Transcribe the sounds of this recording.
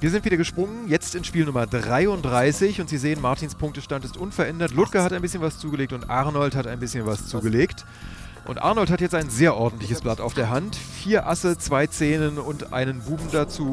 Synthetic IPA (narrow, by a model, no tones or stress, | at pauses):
viːɐzɪntv̥iːdɐɡəʃpʁ̥ʊŋənjɛt͡stɪnʃpiːlnʊmɐdʁaɪʊntd̥ʁaɪsɪçʊntz̥iːzeːənmaɐtʰiːnspʰʊŋk̚təʃtantɪstʔʊnfɛɐʔɛndɐtlʊtkɐhataɪnbɪsçənvast͡suːɡəleːk̚tʊntʔaʁnɔlthataɪnbɪsçənvast͡suːɡəleːkt | ʔʊ̰ntʔa̰ɐnɔlthatjɛt͡staɪnzeːɐʔɔɐdn̩tlɪçəsb̥lata̰ʊfd̥eːɐɦantfiːɐʔasət͡sv̥aɪt͡seːnənʊntʔa̰ɪnənbuːbm̩dat͡suː